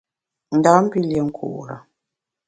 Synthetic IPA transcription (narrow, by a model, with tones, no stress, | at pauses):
n̩˨da˨˦m̩˦pi˦ljɛ˨ŋ̩˦kʰṵ˨ʔɾa̰˨